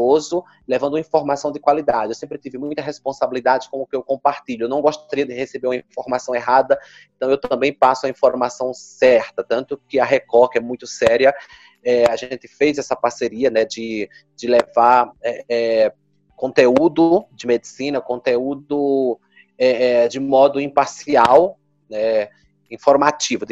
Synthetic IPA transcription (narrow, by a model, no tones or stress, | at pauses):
ozʊ | levɐ̃d̪ʊ̃ĩfoɾmasɐ̃w̃d̪ɪkwalid̪ad͡ʒɪewsẽpɾɪt̪ivɪmũj̃t̪ɐɦespõsabilid̪ad͡ʒɪkõmʊkɪewkõpaɾt̪iʎʊewnɐ̃w̃ɡoʃt̪aɾiɐd̪ɪhesebeɾũmɐĩfoɾmasɐ̃w̃eɦad̪ɐ | ẽnt̪ɐ̃w̃ewt̪ɐ̃mbẽj̃pasʊɐĩfoɾmasɐ̃w̃sɛɾt̪ɐt̪ɐ̃nt̪ʊkɪɐɦekɔkɪɛmũj̃t̪ʊsɛɾiɐ | ɛaʒẽnt̪ɪ̥fejzɛsɐpaɾseɾiɐnɛd͡ʒɪ | d͡ʒɪlevaɾɛɛ | kõnt̪eud̪ʊd͡ʒɪmed͡ʒ̪ɪsĩnɐkõnt̪eud̪ʊ | ɛɛd͡ʒɪmɔd̪ʊĩpaɾsiaw | nɛ | ĩfoɾmat͡ʃivʊd̪ɪ